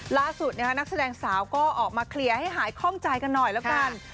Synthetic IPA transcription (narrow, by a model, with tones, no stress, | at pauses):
laː˥˩su˨˩t̪̚n˥˦˥kʰa˦˥na˦˥k̚sa˧dɛː˧ŋsaː˩˦wkɔː˥˩ʔɔː˨˩k̚maː˧kʰli˧əɐha˥˩jɦaː˩˦jkʰɔː˥˩ŋt͡ɕa˧jka˧nːɔ˨˩jlɛː˦˥wka˧˩n